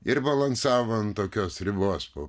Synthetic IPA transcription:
ɪɾbɐlˠɐnsɑːʋɐnt̪oːkʲoːsɾʲɪboɔspoː

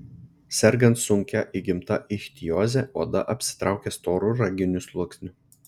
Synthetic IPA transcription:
sʲɛɾɡɐnt̪sʊŋʲkʲæʔiɡʲɪmt̪ɐʔɪʃʲt̪ʲijoːzʲɛoːd̪ɐ̰ʔɐpʲsʲɪ̥t̪ɾʔɑˑʊkʲɛst̪oːɾuɾɐɡʲɪnʲʊslˠʊɔksʲnʲʊ

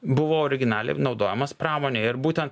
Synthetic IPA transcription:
bʊʋoːɔːɾʲɪɡʲɪnɑːlʲɛ̰ɪnɒʊd̪oːjɛmɐspɾɑːmoːnʲeːɪɾbuːt̪ʲɛnt̪

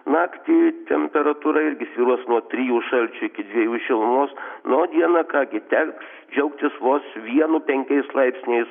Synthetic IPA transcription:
nɑːkt̪ʲiːt̪ʲɛmʲpʲɛɾɐt̪uːɾɐɪɾʲɡʲɪsʲʋʲiːɾuɔsnuɔt̪ʲɾʲijuːʃɐlʲt͡ʃʲʊɪkʲɪd̪ʲʋʲiɛjuːʃʲɪlˠmoːsnod̪ʲiɛnɑkɑːɡʲɪt̪ʲɛks | d͡ʒʲɛʊkt̪ʲɪsʋoːsʋʲiɛnʊpʲɛŋʲkʲɛɪslˠɐɪpʲsʲnʲɛɪs

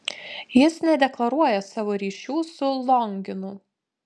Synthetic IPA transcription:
jɪsnʲɛd̪ʲɛklˠɐɾuɔjɛsɑːʋoːɾʲiːʃʲuːsʊlˠɔŋʲɡʲɪnʊ

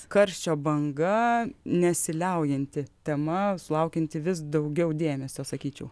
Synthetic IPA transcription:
kɐɾʲsʲt͡ʃʲoːbɐŋɡɐnʲɛsʲɪlʲɛʊjɛnʲt̪ʲɪt̪ʲɛmɐsʊlˠɐʊkʲɛnʲt̪ʲɪʋʲɪsd̪ɐʊɡʲɛʊd̪ʲeːmʲɛsʲoːsɐkʲiːt͡ʃʲɛʊ

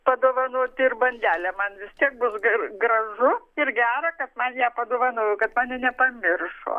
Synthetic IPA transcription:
pɐd̪oːʋɐnoːt̪ʲɪɪrbɐnʲd̪ʲæːlʲɛːmɐnʋʲɪst̪ʲiɛk̚bʊsɡɡrɐʒʊɪɾɡʲæːɾɐkɐt̪mɐnjæːpɐd̪oːʋɐnoːjʊkɐt̪mɑːnʲɪnʲɛpɐmʲɪrʃo̰ː

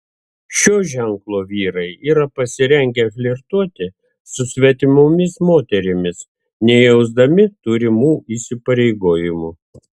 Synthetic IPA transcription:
ʃʲoːʒʲɛŋklˠoːʋʲiːɾɐɪiːɾɐpɐsʲɪɾʲɛŋʲɡʲɛfʲlʲɪɾt̪uɔt̪ʲɪ | sʊsʲʋʲɛt̪ʲɪmʊmʲɪsmoːt̪ʲɛɾʲɪmʲɪs | nʲɛjɛʊzd̪ɐmʲɪt̪ʊɾʲɪmuːʔiːsʲɪpɐɾʲɛɪɡoːjɪmu

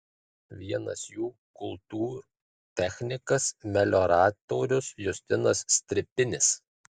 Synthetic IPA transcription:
ʋʲiɛnɐ̰sjuː | kʊlˠt̪uːɾu | t̪ʲɛxʲnʲɪkɐsmʲɛlʲoːɾɑːt̪oːɾʲʊsjʊsʲt̪ʲɪnɐsːʲt̪ʲɾʲɪpʲɪnʲɪs

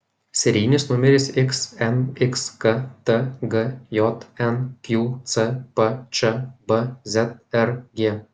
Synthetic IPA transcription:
sʲɛɾʲiːnʲɪsnʊmʲɛɾʲɪsɪksɛnɪkskɐt̪əɡɐjɔt̪ɛnkʲjut̪sɛpɐt͡ʃɐbɐzʲɛt̪̚ɛɾɡʲeː

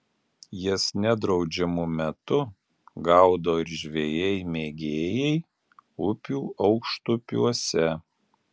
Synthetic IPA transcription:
jɪsnʲɛd̪ɾɒʊd͡ʒʲɛmʊmʲɛt̪ʊ | ɡɑʊd̪oːɪɾʒʲʋʲejɛɪmʲeːɡʲeːjɛɪ | ʊpʲuːʔɒʊkʃt̪ʊpʲṵɔsʲɛ

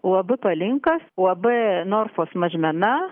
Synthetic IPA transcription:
wɐbɪpɐlʲɪŋkɐswɐbɪnoɾfosmɐʒmʲɛna

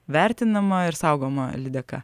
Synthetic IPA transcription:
ʋʲæˑɾʲt̪ʲɪnɐmɐɪɾsɑˑʊɡoːmɐ̰lʲɪd̪ʲɛkɑ̰

